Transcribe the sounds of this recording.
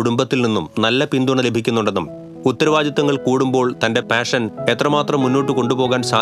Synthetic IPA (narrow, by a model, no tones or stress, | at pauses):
uɽumbɐt̪ːilninːumnɐlːɐpind̪uɳɐle̞bʱikʲːunːuɳɖenːṵm | ut̪ːɐɾɐʋaːd̪jɐt̪ːɐŋːɐɭkuːɽumbo̞ːɭt̪ɐnde̞paːʂɐne̞t̪rɐmaːt̪rɐmːunːo̞ːʈːɨko̞ɳɖupo̞ːɣaːnsaː